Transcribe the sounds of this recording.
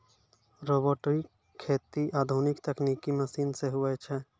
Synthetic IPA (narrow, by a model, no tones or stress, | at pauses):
ɾoːboːʈɾi | kʰeːt̪iʔaːd̪ʱunɪkt̪ɛkniːkiməsiːnseɦʊɛt͡ʃʰɛ